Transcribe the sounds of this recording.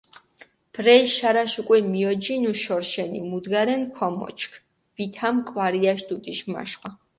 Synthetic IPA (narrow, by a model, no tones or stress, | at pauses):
b̥ɾɛʃaɾaʃukʼwɛmiɔd͡ʒinuʃɔɾʃɛnḭmud̪ɡaɾɛnkʰɔmɔ̰t͡ʃʰkʰ | vit̪ʰamkʼwaɾiaʃd̪ut̪ʼiʃma̰ʃχʼa